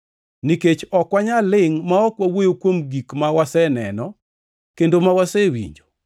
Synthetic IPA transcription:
niket͡ʃɔkwaɲalɪŋmaɔkwawojokwomɡikmawasɛnɛ̰nɔ | kendomawasɛwḭɲd͡ʒo

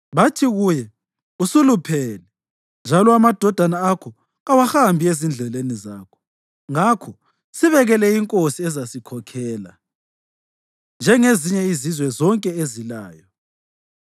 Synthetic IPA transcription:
βatʰiɣujɛ | usulupʰɛlɛ | nd͡ʒʱalɔamad̥ʱɔd̥ʱanaːkʰɔ | awaxambʱiezind͡ɮʱɛleniza̰ːkʰɔ̥ | ŋakʰɔ | siβɛɣɛlɛiŋkʼosiɛzasikʰɔkʰɛːla̰ | nd͡ʒʱɛŋeziɲɛizizwɛzɔŋkʼɛezila̰ːjɔ

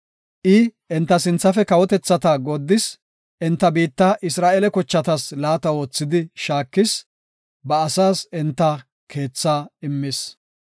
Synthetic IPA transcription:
ʔɪʔɛnt̪ːɐsɪnt͡sːɐfɛkɐwɔt̪ɛt͡sːɐt̪aːɡod̪ːɪs | ʔɛnt̪ːɐbiːt̪ːaʔɪsɾaːʔɛlɛkɔt͡ʃːɐt̪ɐslaːt̪ɐwo̞ːt͡sːɪd̪ɪʃaːkːɪs | bɐːsaːsɛnt̪ːɐ | kʰe̞ːt͡sːaːɪmːɪs

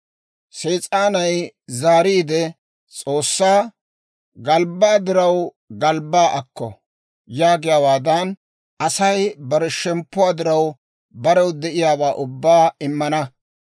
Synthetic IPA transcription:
seːt͡sʼaːnɐjzaːɾiːd̪ɛ | t͡sʼo̞ːsːaː | ɡɐlbaːd̪ɪɾɐw | ɡɐlbːaːʔɐkːɔ̰ | jaːɡɪjaːwaːd̪ɐn | ʔɐsɐjbɐɾɛʃɛmpːʊwaːd̪ɪɾɐw | bɐɾɛwd̪ɛʔɪjaːbaːʔʊbːaːɪmːɐnɐ

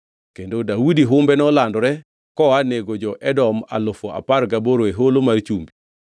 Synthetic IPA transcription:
kendodaudiɦʊmbɛnɔlandɔɾɛ | kɔaneɡod͡ʒɔʔɛdɔma̰lʊfoa̰parɡaboɾoeɦolomart͡ʃumbi

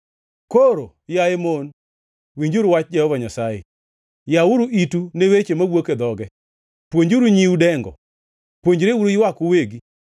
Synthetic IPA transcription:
koɾo | jaemon | wiɲd͡ʒuɾʊwat͡ʃ̚d͡ʒɛhɔvaɲasajḛ | jawʊɾuʔitunewet͡ʃemawoked̪ɔɡɛ | pwoɲd͡ʒuɾuɲiwudɛŋɡɔ̰ | pwoɲd͡ʒɾewuɾojwakʊweɡi

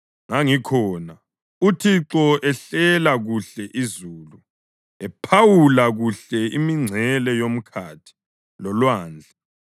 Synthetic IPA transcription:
ŋaŋikʰɔːna | utʰiǁɔʔɛɬɛlaɣuɬɛʔizuːlu | ɛpʰawulaɣuɬɛimiŋ͡ǀʱɛlɛjom̩kʰaːtʰi̥ | lɔlwaːnd͡ɮʱa

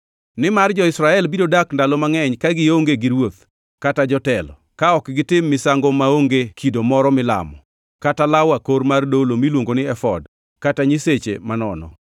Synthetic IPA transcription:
nɪmard͡ʒɔɪsɾaɛlbidodakndalɔmaŋɛɲkaɡɪoŋɡeɡɪɾwot̪̚ | katad͡ʒɔtɛlɔ̰ | kaɔkɡɪtɪmːɪsaŋɡɔmaoŋɡekʰidomɔɾɔmɪla̰mɔ | katalawakoɾmardolomilwoŋɡonɪɛfɔ̰d | kataɲiset͡ʃḛmanɔnɔ̰

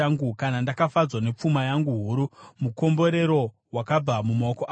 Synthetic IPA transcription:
aŋɡukanandakafad͡zwane̞p͡fumajaŋɡuɦuɾumuko̞mbo̞ɾe̞ɾo̞ | wakab͡vamumakoʔa

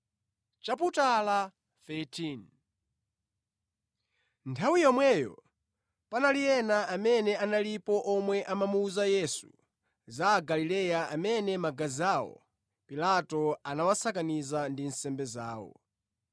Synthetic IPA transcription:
t͡ʃaputala | θɛtʰin | ntʰawijɔmwɛjɔ̰ | panalijɛnaʔamɛnɛanalipɔʔɔmwɛʔamamuːzajɛsṵ | zaɡalilɛjaʔamɛnɛmaɡaziawɔ̰ | pilatɔanawasakanizandin̩sɛmbɛzaːwɔ̰

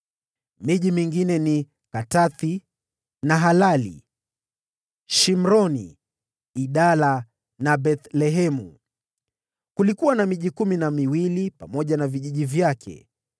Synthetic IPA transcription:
miʄimiŋɡinɛni | kataθi | naɦalalḭ | ʃim̩ɾɔnḭː | ɗala | naɓɛθlɛɦɛmṵ | kulikuwanamiʄikuminamiwilipamɔʄanaviʄiʄivjakʰɛ̰

